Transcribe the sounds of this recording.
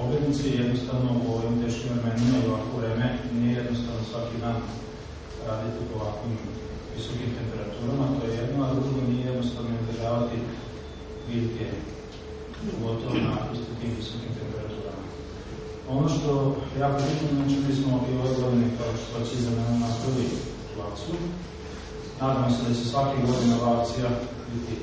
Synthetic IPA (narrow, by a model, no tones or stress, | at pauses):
oɡɾed̪niseje̞d̪nost̪aʋnopooimt̪e̞ːʃkimɾe̞menimajoʋakʋoʋɾe̞ːmenijeje̞d̪nost̪aʋnosʋakid̪aːn | ɾaːd̪it̪iupoʋakʋim | ʋiso̞kimt̪e̞mpe̞ɾat̪uːɾamat̪o̞jeje̞d̪noad̪ɾuɡonijeje̞d̪nost̪aʋnoid̪ʒaːʋat̪i | ʋid̪ɡ̪e | oɡo̞t̪o̞ʋonapust̪it̪iːmʋiso̞kimt̪e̞mpe̞ɾat̪uːɾama | o̞noʃt̪o̞jaːkoɾit̪immet͡ʃumismoioʋeɡo̞d̪inekaoʃt̪ot͡ɕeizamenunapɾ̩ʋje | ulat̪siu | naːd̪amose̞d̪at͡ɕe̞sʋakeɡo̞d̪inabakt̪sija | bit̪i